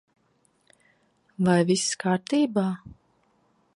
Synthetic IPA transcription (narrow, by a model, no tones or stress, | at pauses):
vajviskaːɾt̪iːbaː